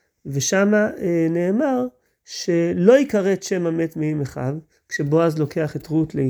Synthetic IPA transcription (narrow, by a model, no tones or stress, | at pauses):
ve̞ʃamaeneːmaʁ | ʃe̞lo̞ikaʁet̪ʃe̞mame̞tmeimeχa̰v | kʃe̞bo̞azlo̞ke̞aχetʁutle